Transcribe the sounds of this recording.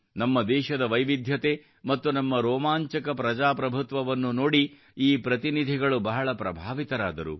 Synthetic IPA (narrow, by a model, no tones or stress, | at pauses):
nɐmːɐd̪ɛːʃɐd̪ɐʋɐjʋid̪ʱjɐt̪e̞ | mɐt̪ːunɐmːɐɾoːmaːɲt͡ʃɐkɐpɾɐd͡ʒaːpɾɐbʱut̪ʋɐʋɐnːunoːɽi | iːpɾɐt̪inid̪ʱiɡɐɭubɐɦɐɭɐpɾɐbʱaːʋit̪ɐɾaːd̪ɐɾṵ